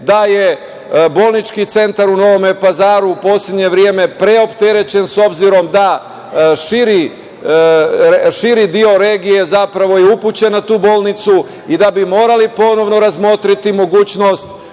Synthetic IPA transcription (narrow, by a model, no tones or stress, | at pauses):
d̪aje̞ | bo̞lˠnit͡ʃkit̪se̞nt̪aɾuno̞ʋo̞mepazaːɾuːpo̞ːslʲe̞d̪ɲe̞ʋɾje̞me̞pɾe̞o̞pt̪e̞ɾe̞t͡ɕe̞nso̞bziɾo̞md̪a | ʃiɾi | ʃiɾid̪io̞ɾe̞ːɡije̞zapɾaʋo̞jeuput͡ɕe̞nːat̪uːbo̞ːlˠnit̪su | id̪abimo̞ːɾalipo̞no̞ʋno̞ɾazmo̞t̪ɾit̪imo̞ɡuːt͡ɕno̞st̪